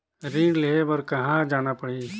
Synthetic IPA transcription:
ɾĩɖleebɐɾkɐɦãd͡ʒaːnapɐɽ̤i

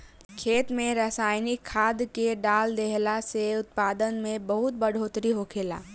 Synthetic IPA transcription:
kʰeːt̪mẽɾəsaːɪnɪkkʰːaːd̪keɖaːld̪eɦlaseʊt̪̚paːd̪ənmẽbəɦʊt̪̚bəɽ̤ʱoːt̪ɾiɦokʰeːla̰ː

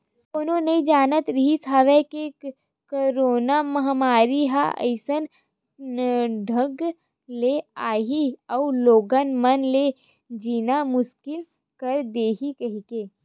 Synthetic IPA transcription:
koːnõnɐĩd͡ʒaːnət̪ɾɐɦisaːʋeke | koɾoːnamɐɦmaːɾiɦaʔə̰ɪsən | ɖʱəɡ | leaːɦiɔuloːɡənmɐnle | d͡ʒiːnamʊʃkɪl | kɐɾd̪eːɦikɐɦikeː

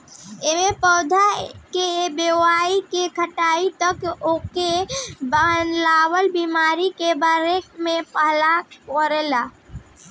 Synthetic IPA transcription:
emẽpɔːd̪ʱakebewaːikekʰəʈaːit̪əkokebanlaːwəlbiːmaːɾikebəɾeːkmẽpəɦlakɔɾelaː

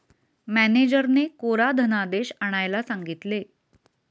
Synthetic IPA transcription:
mæned͡ʑəɾnekoɾad̪ʱənad̪eɕaɽ̃ajlasaŋɡit̪le

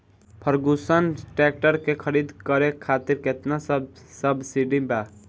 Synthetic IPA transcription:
pʰəɾɡusənʈek̚ʈəɾkekʰəɾid̪kəɾekʰat̪iɾket̪nasəbsəbsiɖĩba

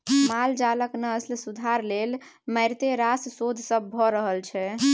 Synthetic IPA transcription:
mald͡ʒaləknəəslsud̪ʱaɾlel | məjɾt̪eɾassod̪ʱsəbːʱɔɾəɦəlt͡ʃʰɛ

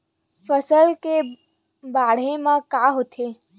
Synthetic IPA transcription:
fəsəlke | baɽ̤emãkaɦot̪ʰe

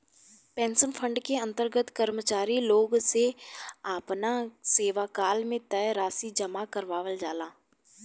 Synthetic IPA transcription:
pɛ̃ːnsəmfʰə̃ɳɖkeɐ̃nt̪əɾɡət̪kəɾmət͡ʃaːɾiloːɡseaːpnaseːʋakaːlmẽt̪ɛjɾaːsid͡ʒɐmakɐɾʋaːʋəld͡ʒaːlaː

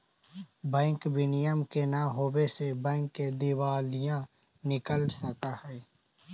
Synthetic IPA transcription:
bɛ̃ːŋkbɪnɪjəmkenaɦoːwesebɛ̃ːŋkːed̪ɪwaːlɪjã | nɪkəlsəkahɛː

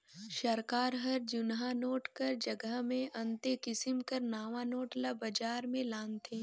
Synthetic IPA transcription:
ʃɐɾkaːɾɦɐɾd͡ʒʊnɦanoːʈkɐɾd͡ʒɐɡəɦmẽʔɐ̃nt̪ekɪsɪmkɐɾnaːʋanoːʈlabɐd͡ʒaːɾmẽlaːnt̪ʰẽː

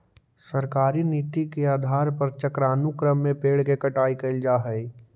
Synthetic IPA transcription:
sɐɾkaːɾiniːt̪ikeaːd̪ʱaːɾpɐɾt͡ʃəkɾaːnukɾəmːẽpeːɽkekɐʈaːikɐld͡ʒaːɦəi

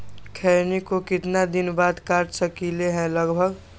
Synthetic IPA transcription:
kʰɛɾnikokɪt̪nad̪ɪnbaːd̪kaʈsəkileɦɛ̃ləɡbʱəɡ

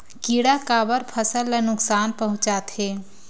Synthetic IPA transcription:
kiːɽakaːbəɾpʰəsəlːənʊksaːnpɐɦʊ̃t͡ʃaːt̪ɦeː

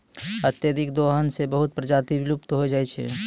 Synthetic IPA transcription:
ət̪jəd̪ɪkd̪oɦənsebəɦʊt̪̚pɾəd͡ʒaːt̪ibɾʊpt̪ɦod͡ʒaːet͡ʃʰḛ

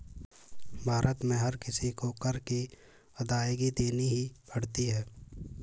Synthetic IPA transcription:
bʱaːɾʔət̪mẽɦɐɾkɪsikokɐɾke | ɐd̪aːjɡid̪eːniɦibʱɐɽ̤t̪iɦɛː

